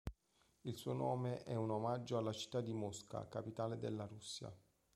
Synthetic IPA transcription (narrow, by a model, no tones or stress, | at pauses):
ilsuonɔːmeʔɛunomad͡ʒːoalːat͡ʃi̥t̪ːad̪ːimɔska̰kapit̪aːled̪elːaɾusːja̰